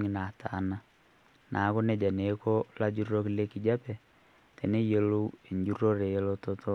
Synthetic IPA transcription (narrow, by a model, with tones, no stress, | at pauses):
ŋɪ˨na˨ta˨˦na˦ | nʔa˨˦ko˦ne˦d͡ʒa˨ne˨˦ko˦la˦d͡ʒu˦ro˦kle˦ki˨d͡ʒa˦pɛ˨ | te˨ne˦je˨lo˦e˨ɲd͡ʒu˦ɾo˦ɾe˨je˦lo˦to˦to˦